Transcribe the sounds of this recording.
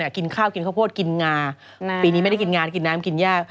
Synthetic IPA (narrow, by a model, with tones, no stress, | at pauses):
a˧˩ki˧nkʰaː˥˩wki˧nkʰa˥˩pʰoː˥˩t̪̚ki˧nŋaː˧ | piː˧ni˦ma˥˩ja˥˩ki˧nŋaː˧nk̬i˧nːaː˦˥mki˧njaː˥˩k̚